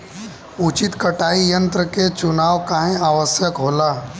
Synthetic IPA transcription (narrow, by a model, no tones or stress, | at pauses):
ut͡ʃɪt̪kəʈaːijə̃nt̪ɾəket͡ʃʊnaːʋkaːɦẽaːʋəsjəkɦoːlaː